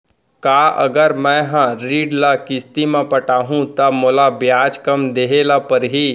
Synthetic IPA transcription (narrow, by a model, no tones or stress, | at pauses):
kaːə̰ɡəɾmɛ̃ɦãɾiːɖlakɪst̪imẽpəʈaːɦũt̪əmoːlabjaːd͡ʒkɐmd̪eːɦelapəɾɦiː